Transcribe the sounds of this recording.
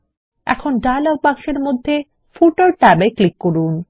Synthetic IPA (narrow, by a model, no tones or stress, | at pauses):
ɛ̰kʰonɖajlɔb̚paŋʃeɾmod̪ʱːe | fuʈoɾʈabeklikːoɾun